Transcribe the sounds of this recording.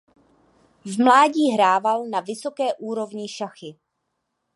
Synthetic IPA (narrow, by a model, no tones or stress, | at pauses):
vmlaːɟiːɦɾaːvalnavɪso̞kɛːʔuːɾo̞vɲɪʃaxɪ